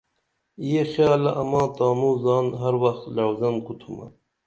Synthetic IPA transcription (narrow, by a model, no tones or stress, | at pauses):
ijexjɑːlɐʔɐmɑ̃ːt̪ɑːmuːzɑːnɦaɾwɐxt̪lawzɐnqut̪ʰumɐ̰